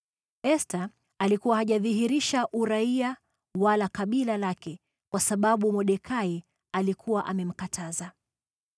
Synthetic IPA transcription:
ɛsta | alikuwahaʄaðiɦiɾiʃaʔuɾaia | walakaɓilalakɛ | kwasaɓaɓumɔɗɛkʰai | alikʰuwaʔamɛm̩katʰaza

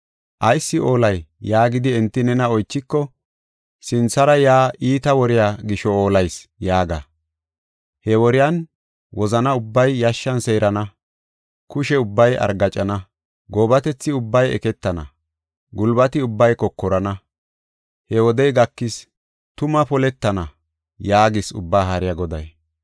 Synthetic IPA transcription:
ʔɐjsːɪʔoːlɐjjaːɡɪd̪ɪɛnt̪ːɪnɛnɐɔjt͡ʃːɪkːɔ | sɪnsɐɾɐjaːʔiːt̪ɐwɔɾɪjaːɡɪʃɔoːlɐjsjaːɡa̰ | hɛwɔɾɪjan | wʔɔzɐnɐʊbːɐjːɐʃːɐnseːɾɐnɐ | kʊʃɛʊbːɐjɐ̰ɾɡɐt͡ʃʼɐnɐ | ɡoːbɐt̪ɛt͡sːɪʊbːɐjɛ̰kɛt̪ːɐnɐ̰ | ɡʊlbɐt̪ɪʊbːɐjkɔkːɔɾɐnɐ | hɛwɔd̪ɛjɡɐkːɪs | t̪ʊmɐpɔlɛt̪ːɐnɐ | jaːɡɪsʊbːaːhɐɾɪjaɡɔd̪ɐ̰j

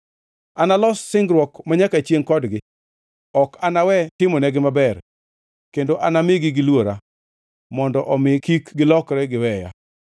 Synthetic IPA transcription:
analɔsːɪŋɡɾwɔkmaɲakat͡ʃjeŋkɔdɡɪ | ɔkanawɛtɪmɔnɛɡɪmabɛr | kendoʔanamɪɡɪɡɪlwoɾa | mɔndɔʔɔmɪkikɡɪlɔkɾɛɡɪwɛja̰

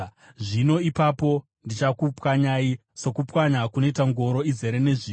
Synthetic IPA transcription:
ʐino̞ipapo̞ | ndit͡ʃakupwaɲaiso̞kupwaɲakunetaŋɡo̞ɾo̞ize̞ɾene̞ʐiː

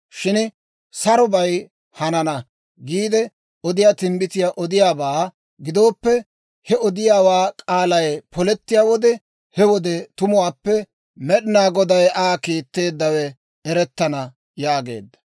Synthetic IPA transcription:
ʃɪn | sɐɾɔbɐj | hɐnɐnɐ | ɡiːd̪ɛ | ɔd̪ɪjaːt̪ɪmbɪt̪ɪjaːʔɔd̪ɪjaːbaː | ɡɪd̪o̞ːpːɛ | hɛɔd̪ɪjaːwaːkʼaːlɐjpɔlɛt̪ːɪjaːwɔd̪ɛ | hɛwɔd̪ɛt̪ʊmʊwaːpːɛ | mɛɗɪnaːɡɔd̪ɐjʔaːkiːt̪ːe̞ːd̪ːɐwɛ | ɛɾɛt̪ːɐnɐ | jaːɡe̞̰ːd̪ːɐ̥

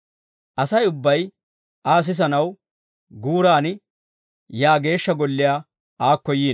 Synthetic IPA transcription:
ʔɐsɐjʊbːɐj | ʔaːs̬ɪs̬ɐnɐw | ɡuːɾaːnɪ | jaːɡe̞ːʃːɐɡɔlːɪjaː | aːkːɔjiːn

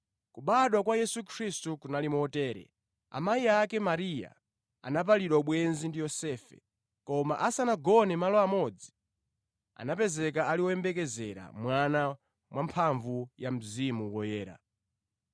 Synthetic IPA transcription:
kuɓaɗwakwajɛsukʰɾistukunalimɔtɛːɾɛ̰ | a̰maiakɛmaɾija̰ | a̰nap̬aliɗwauɓwɛnzindijɔsɛːfɛ̰ | kɔma̰ʔasanaɡɔnɛmalɔamɔd͡zi | a̰napɛzɛkaaliwɔɛmbɛk̬ɛzɛɾa̰mwana | mwʔampʰaɱvujam̩zimuwɔjɛːɾa̰

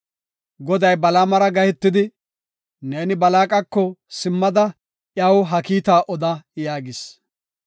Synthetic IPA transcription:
ɡɔd̪ɐjbɐlaːmɐɾɐɡɐhɛt̪ːɪd̪ɪ | ne̞ːnɪbɐlaːkʼɐkːɔsɪmːɐd̪ɐ | ʔjɐwɦɐkiːt̪aːʔɔd̪ɐjaːɡɪs

